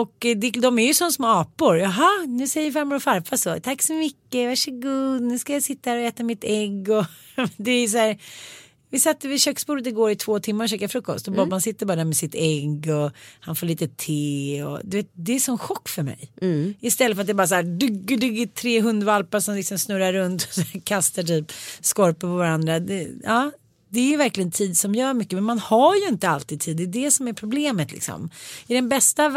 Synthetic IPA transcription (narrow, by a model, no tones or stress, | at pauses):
ɔkd̪ɛd̪ɔmæɾjʉsɔnːsmoɑːpʊɾjɑɦɑnʉ̟ːsɛjəfaɾmaɾɔfaɾfasɔt̪ʰakːsɔmʏkːəvæʂəɡʉːd̪nʉ̟ːskajasɪt̪ːahæːɾɔɛːt̪amɪt̪ɛɡːɔ | d̪ɛjs̬æːɾ | vɪsat̪ːəɾvɪɕøːksbuːɾət̪ɪɡoːɾɪt̪ʰvoːt̪ʰɪmːaɾɔɕøːkaɾfɾɵkːɔ̰st̪ɔbɔbansɪt̪ːəbɑːɾad̪æːɾmɛsɪt̪ɛɡːɔhanfoːɭiːt̪ət̪ʰeːɔ̰d̪ɵveːt̪̚d̪ɛːʂɔnɧɔkːfœɾmɛ̰jɪst̪ɛlːəfœɾt̪̚d̪ɛːbɑːɾasaæːɖʏɡːəɖʏɡət̪ʰːɾeːɦɵnd̪valpaʂɔmlɪksɔmsnɵɾːaɾːɵnt̪ɔ̥sækʰast̪aʈyːpskɔɾpəpʰɔvaɾand̪ɾad̪ɛɑː | d̪ɛːɾjʏvæɾklɪɡənt̪ʰiːd̪sɔmjœːɾmʏkːəmɛnmanhajɵɪnt̪əalt̪iːd̪̚t̪ʰiːd̪ːɛd̪ɛsɔmæɾpʰɾʊbleːmət̪lɪ̰ksɔ̰mɪdɛnbɛst̪a